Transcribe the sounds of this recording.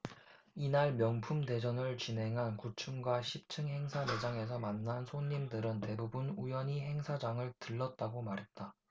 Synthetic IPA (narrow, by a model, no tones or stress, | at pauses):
inaɭmjʌŋpʰumde̞d͡ʑʌnɯɭt͡ɕinɦe̞ŋɦankut͡ɕʰumɡwaɕʰip̚t͡ɕʰɯŋhe̞ŋsʰane̞d͡ʑaŋe̞s̬ʰʌmanːansʰoɲːimdɯɾɯnte̞bubunujʌɲiɦe̞ŋsʰad͡ʑaŋɯɭtɯɭːʌt̚t͈aɡomaɾɦe̞t̚t͈a